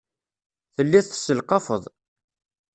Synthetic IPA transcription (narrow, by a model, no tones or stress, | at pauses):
θəlːiθθsəlqɑfəðˤ